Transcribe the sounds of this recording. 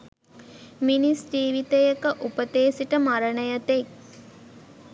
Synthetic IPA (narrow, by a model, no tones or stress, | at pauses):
minisʈiːʋit̪ejəkəʔupət̪eːsiʈəmaɾənəjət̪ek